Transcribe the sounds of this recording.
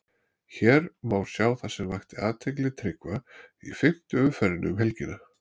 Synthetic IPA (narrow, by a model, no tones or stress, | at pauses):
çɛːɾmaːwɾ̥sjaːwθasɛmvajxt̪ɪaːt̪ʰːɪjklɪt̪ʰɾɪkvaḭfɪm̥t̪ʏʏfɛɾɪnʏ̰mɦɛlcɪna